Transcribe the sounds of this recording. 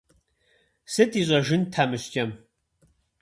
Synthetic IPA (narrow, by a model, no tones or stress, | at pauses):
sɨtʰʼiːɕʼɐʒɪntʰaːmɨɕtʼɐm